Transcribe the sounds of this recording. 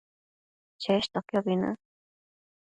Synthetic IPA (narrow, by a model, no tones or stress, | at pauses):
t͡ʃeʃt̪okjoβinɨ̰ʔ